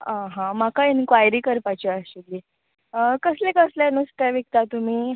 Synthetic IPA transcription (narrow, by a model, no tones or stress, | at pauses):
ãɦãmakainkʋajɾiːkəɾpat͡ɕiaɕuɡli | kəslekəslanust̪jaʋik̚t̪at̪um̤iː